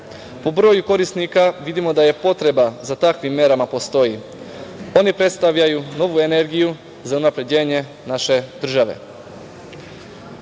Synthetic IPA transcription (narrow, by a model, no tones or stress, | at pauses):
pobɾojuko̞ɾisnikaʋid̪imo̞d̪aje̞po̞t̪ɾe̞bazat̪akʋimːe̞ɾamapo̞st̪o̞ji | o̞nipɾe̞t̪st̪aʋʎajuno̞ʋue̞ne̞ɾɡiju | zaunapɾe̞d͡ʑe̞ːɲe̞ | naʃe̞d̪r̩ʒaʋe̞̰